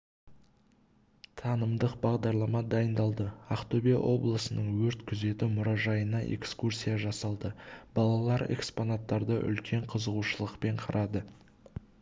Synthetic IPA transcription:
t̪ʰɑnəmd̪əqbɑʁd̪ɑɾlˠɑmɑd̪ɑjənd̪ɑlˠd̪əaqt̪obḭʔo̞blˠəsənəɴwɵɾt̪kʲʰʏze̞t̪ɪmʊɾɑʒɑjənɑʔe̞̰kskursʲijaʒɑsɑlˠd̪əbɑlˠɑlˠɑɾe̞̰kspo̞nat̪ːɑɾd̪əʔʏ̰lkʲe̞ɴqʰəzəʁuʃəlˠəqpe̞ɴqʰɑɾʔɑd̪ə

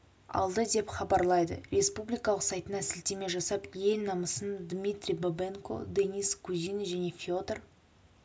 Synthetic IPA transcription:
ɑ̰lˠd̪əd̪e̞pχɑbɑɾlˠɑjd̪ə̰ɾʲe̞spublʲijkɑlˠəqsɑjt̪ənɑsɪlt̪eme̞ʒɑsɑpje̞lnɑməsənd̪mʲijt̪rʲijbobeŋkʰo̞̰d̪eniskʰuzijnʒæne̞fʲo̞d̪r

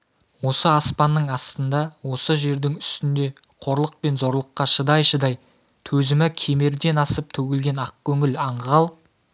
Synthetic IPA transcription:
wo̞səɑspɑnːəɴɑst̪ənd̪ɑwo̞səʒe̞ɾd̪ɪŋʏst̪ɪnd̪e̞ | qʰo̞ɾlˠəq̚pe̞nzo̞ɾlˠəqːɑʃəd̪ɑjʃəd̪ɑj | t̪ʰɵzɪmɪkʲʰeme̞ɾd̪e̞nɑsəp̚t̪ʰɵɡʲɪlɡʲe̞nɑq̚kʲʰɵŋɪlɑɴʁɑlˠ

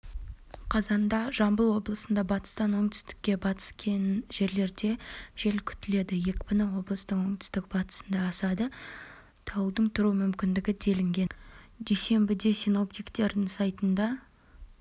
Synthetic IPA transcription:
qʰɑzɑnd̪ɑʒɑmbəlˠwo̞blˠəsənd̪ɑbɑt̪ə̥st̪ɑnwo̞ɴd̪ʏ̥st̪ɪ̥kʲːe̞bɑt̪ə̥skʲenʒ̥e̞ɾle̞ɾd̪e̞ʒ̥e̞lkʲʰʏ̥t̪ɪle̞d̪ɪje̞kʲbɪnəwo̞blˠəst̪əɴwo̞ŋt̪ʏ̥st̪ɪk̚bɑt̪ə̥sənd̪ɑːsɑd̪ə | t̪ʰɑwəlˠd̪əɴt̪ʰʊɾuəmʏmkʲɪnd̪ɪɡʲɪd̪e̞lɪŋɡʲe̞nd̪e̞jse̞mbɪd̪e̞sino̞p̚t̪ijkt̪e̞ɾd̪ɪŋsɑjt̪ənd̪ɑ

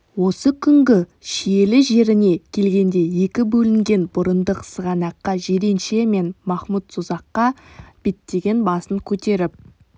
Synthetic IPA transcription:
wo̞səkʲʰʏŋɡʲɪʃije̞lɪʒe̞ɾɪne̞kʲʰe̞lɡʲe̞nd̪e̞je̞kʲɪbɵlɪŋɡʲe̞nbʊɾənd̪əqsəʁɑnɑqːɑʒeɾenʃe̞me̞nmɑχmut̪sʊzɑqːɑb̥et̪ːe̞ɡʲe̞nbɑsəŋkʲʰɵt̪e̞ɾɪp̚

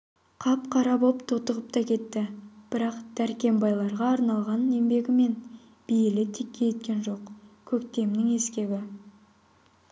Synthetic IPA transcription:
qʰɑpqʰɑɾɑbopt̪ʰot̪əʁəp̚t̪ɑkʲʰe̞t̪ːɪb̥ɪɾɑqd̪̥æɾkʲe̞mbɑjlˠɑɾʁɑːɾnɑlˠʁɑne̞mbe̞ɡʲɪme̞n | b̥ijɪlɪt̪ʰekʲːejet̪̚kʲe̞nʒo̞qkʲʰɵkt̪e̞mnɪŋe̞skʲe̞βɪ

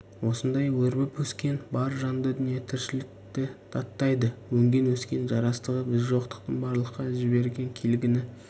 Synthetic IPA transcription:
wo̞sənd̪ɑjwɵɾbɪpwɵskʲe̞nbɑɾʒɑnd̪əd̪ʏnijet̪ʰɪɾʃɪlɪk̚t̪ɪt̪ʰɑt̪ːɑjd̪əwɵŋɡʲe̞nwɵskʲe̞nʒɑɾɑst̪əʁəbɪzʒo̞qt̪ə̥q̚t̪əɴbɑɾlˠəqːɑʒɪbe̞ɾɡʲe̞ŋkʲʰelɡʲɪnɪ

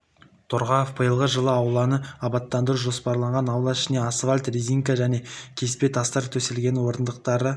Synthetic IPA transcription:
t̪ʰoɾʁɑjofbəjəlˠʁəʒəlˠəɑwlˠɑnəɑbɑt̪ːɑnd̪əɾuʒo̞spɑɾlˠɑɴʁɑnɑwlˠɑɪʃɪne̞asvalʲt̪riziŋkaʒæne̞kʲʰe̞spe̞t̪ʰɑst̪ɑɾt̪ʰɵselɡʲe̞nwo̞ɾənd̪əq̚t̪ɑɾə

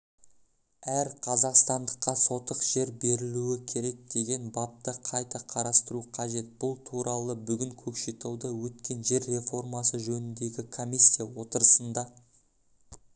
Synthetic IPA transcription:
æɾqʰɑzɑqst̪ɑnd̪əqːɑso̞t̪əqʒ̥e̞ɾbe̞ɾɪluɪkʲʰe̞ɾe̞k̚d̪e̞ɡʲe̞nbɑp̚t̪əqʰɑjt̪ɑqʰɑɾɑst̪əɾuqʰɑʒe̞t̪̚b̥ʊlˠt̪ʰuɾɑlˠəbʏɡʲɪŋkʲʰɵkʃet̪ʰɑwd̪əwɵt̪kʲe̞nʒe̞ɾːe̞fo̞rmɑsəʒɵnɪnd̪e̞ɡʲɪkʰo̞mʲisʲːijawo̞t̪əɾəsənd̪ɑ

